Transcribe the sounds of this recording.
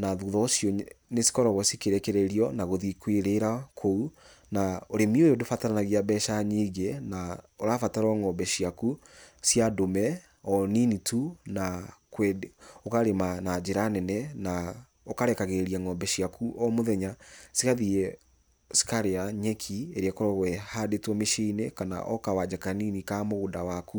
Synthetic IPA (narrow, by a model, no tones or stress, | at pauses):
naðuðɔːsjɔnesi̥kɔɾɔɣɔsikeɾɛkeɾeɾiɔnaɣoðikweɾeɾakʰou | naoɾemiojodofataɾanaɣiabɛʃaɲiɣenaoɾafataɾɔŋɔmbɛɕiakusjadomɛ | ɔninitʰunakwɛokaɾemanad͡ʑeɾanɛnɛna | okaɾɛkaɣeɾiaŋɔmbɛʃiakuʔɔmoðɛɲasikaðiɛ | si̥kaɾeaɲɛkʰieɾeɛkɔɾɔɣwɛhadetwɔmeʃeinekana̰ʔɔkawad͡ʑakaninikamoɣodawaku